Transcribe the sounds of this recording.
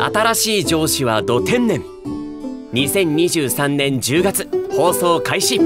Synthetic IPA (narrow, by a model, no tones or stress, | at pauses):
a̰t̪aɾaɕiːd͡ʑo̞ːɕiβad̪o̞t̪ẽ̞nːẽ̞ŋ | ɲ̟isẽ̞ɲ̟ɲʲiʑɨːsãnnẽ̞ɲd͡ʑɨːɡat͡sɨ̥ho̞ːso̞ːkaiɕi